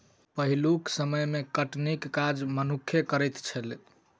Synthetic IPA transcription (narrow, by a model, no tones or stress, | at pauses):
pəɦiluksəməjmekəʈnikːad͡ʒmənukʰːjekəɾəjt̪t͡ʃʰəl